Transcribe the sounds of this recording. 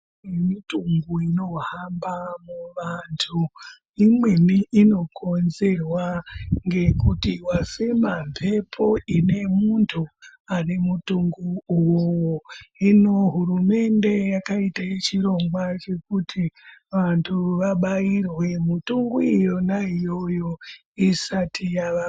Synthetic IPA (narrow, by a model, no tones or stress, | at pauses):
emituŋɡuino̞ɦambamuʋantʰu | imwe̞miʔːno̞kʰo̞nze̞rwaŋɡe̞kutiwafemampʰe̞pʰo̞ine̞muntʰuane̞mutuŋɡuuwowoino̞ɦuɾume̞nde̞jakaitajet͡ʃiɾo̞ŋɡwat͡ʃe̞kutʰiʋantʰuʋaɓairwe̞mutuŋɡuijo̞naijo̞jo̞ | isatʰijaʋa